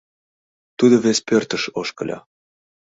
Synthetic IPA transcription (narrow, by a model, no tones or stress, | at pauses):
t̪ud̪oβespørt̪ə̆ʃoʃkɤ̰̆lʲɑ̰